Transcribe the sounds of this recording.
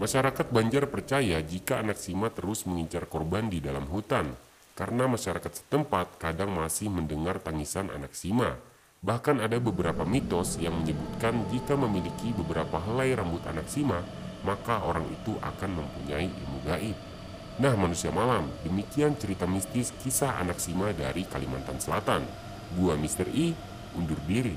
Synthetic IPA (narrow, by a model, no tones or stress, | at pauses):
maʃaɾakat̪̚baɲd͡ʒarpərt͡ʃajad͡ʒikaːnak̚simat̪əɾʊsməŋiɲt͡ʃarkɔrbandidalamɦut̪an | kaɾənamaʃaɾakat̪̚sə̥t̪əmpat̪̚kadaŋmasɪhməndəŋart̪aŋisanʔa̰nak̚sima̰ | bahkanadabəbəɾapamit̪ɔsjaŋməɲəbut̪̚kand͡ʒikaməmilikibəbəɾapaɦəlajɾambʊt̪a̰naksima | makaoɾaŋḭt̪uʔa̰kanməmpuɲaiʔḭmuɡaʔit̪̚ | nahmanusiamalamdəmikiant͡ʃəɾit̪amist̪ɪskisaɦa̰nak̚simada̰ɾikalima̰nt̪ansəlat̪an | ɡuamist̪əri | undʊrbiɾi